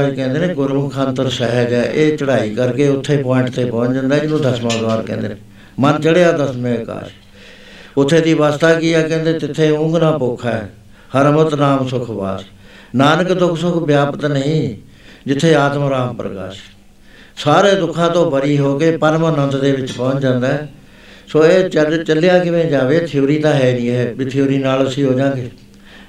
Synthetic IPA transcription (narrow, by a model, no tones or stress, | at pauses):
kɛ̃ːnd̪eːnẽːɡʊɾmkʰãːnt̪əɾsəɦəɡɛːʔeːt͡ʃəɽaːiːkəɾkeːʊt̪ʰːeːpɔːɪɳʈt̪eːpɔ̃ːt͡ʃd͡ʒə̃nd̪aːd͡ʒɪnũːd̪əsmãːd̪ʋaːɾkɛ̰̃ːnd̪ḛːneː | mənt͡ʃəɽeːaːd̪əsmẽːka̰ːʃ | ʊt̪ʰːeːd̪iːʋaːst̪aːkiːaːkɛ̃ːnd̪ẽːt̪ɪt̪ʰːeːʊ̃ŋɡnãːpoːkʰaɛː | həɾəmət̪naːmsʊkʰʋa̰ːs | naːnəkd̪ʊkʰsʊkʰbjaːpət̪nəɦĩː | d͡ʒɪt̪ʰːeːaːt̪məɾaːmpɾə̰ka̰ːʃ | saːɾeːd̪ʊkʰːãːt̪õːbəɾiːɦoːkeːpəɾmənə̃nt̪d̪eːʋɪt͡ʃpɔ̃ːt͡ʃd͡ʒãːnd̪aːɦɛː | soːeːt͡ʃt͡ʃəlːejaːkɪʋẽːd͡ʒaːʋeːt̪ʰɪoːɾiːt̪ãːɦɛːdiːɦɛːbit̪ʰɪjoːɾiːnaːləsĩːɦoːd͡ʒãːŋɡeː